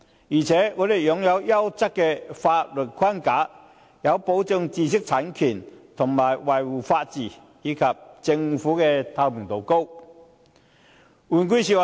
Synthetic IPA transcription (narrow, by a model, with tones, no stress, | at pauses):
iː˨˩t͡sʰɛː˨˦ŋɔː˨˧˥d̪e˨˩jjʊ˨˥ŋjɐ˨˧wjɐ˥wt͡sɐ˥kːɛ˧faː˧t̚lɵ˨˩t̚kʰa˥˩nkaː˨˥ | jɐ˨˧wpo˨˥wt͡sə˧ŋt͡siː˧˩s̬ɪ˥k̚t͡sʰa˨˥nkʰy˨˩nt̪ʰʊ˨˩ŋmaː˨˩jwa˨˩jwuː˨˩faː˧t̚t͡siː˨˩ | jiː˨˥kʰɐ˨p̚t͡sɪ˧ŋfuː˨˥kɛ˧t̪ʰa˧wmʰi˨˩ŋt̪o˨wko˥w | u˨˩nk̬i˥˩s̬i˧˥wa˨